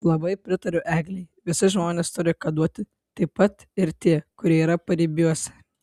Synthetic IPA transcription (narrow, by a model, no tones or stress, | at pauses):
lˠɐbɐɪpʲɾʲɪt̪ɐɾʲʊʔæːɡlʲɛɪʋʲɪsɪʒmoːnʲeːst̪ʊɾʲɪkɐd̪uɔt̪ʲɪ | t̪ɐɪpɐt̪ | ɪɾt̪ʲiɛkʊɾʲiɛiːɾɐpɐɾʲibʲuɔsʲɪ̥